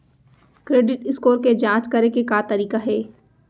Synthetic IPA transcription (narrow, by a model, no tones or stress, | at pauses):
kɾeːɖɪʈɪskoːɾked͡ʒãːt͡ʃkɐɾekekaːt̪ɐɾiːkaɦɛː